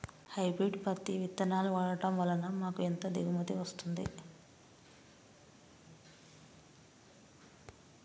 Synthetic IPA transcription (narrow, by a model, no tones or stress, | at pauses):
hɐjbɾiɖpɐt̪ːiʋit̪ːɐnaːluʋaːɽɐʈɐmʋɐlːɐnɐmaːkuent̪oːd̪iɡumɐt̪iʋɐst̪und̪ḭ